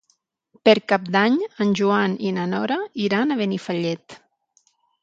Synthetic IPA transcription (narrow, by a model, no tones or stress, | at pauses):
pəɾkap̚d̪aɲənʲʒuaninanɔɾaiɾanaβenifaʎɛt̪